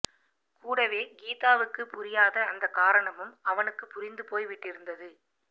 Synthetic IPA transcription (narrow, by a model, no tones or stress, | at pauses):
kuːɽɐʋeːɡiːt̪aːʋɯkːɯpʊɾɪjaːðɐːnd̪ɐkːaːɾɐɳɐmɯmɐʋɐnɯkːɯpːʊɾɪnd̪ɯpoːjʋɪʈːɪɾɯnd̪ɐðɯ